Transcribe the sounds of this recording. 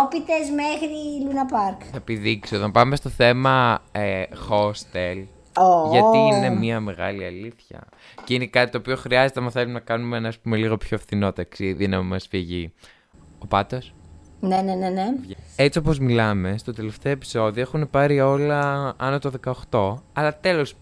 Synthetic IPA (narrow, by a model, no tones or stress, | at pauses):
opit̪ezmexɾilunɐpɐɾkθɐepiðiksioðɐmpɐme̞st̪oθe̞mɐexo̞st̪el | oʝɐt̪iine̞miɐme̞ɣɐ̰liɐliθçɐ̰ | ceine̞kɐt̪it̪oːpio̞xɾiɐzet̪eɐmɐθelumenɐkɐnumeenɐɐspume̞liɣo̞pço̞efθino̞t̪ɐksiðinɐmimɐsfiʝi | o̞pɐt̪osnenenenee̞t͡sio̞po̞zmilɐme̞st̪ot̪e̞le̞ft̪eɐepi̥so̞ðioexune̞pɐɾio̞lɐɐno̞t̪o̞ðe̞kɐoxt̪o̞ɐlɐt̪e̞lo̞s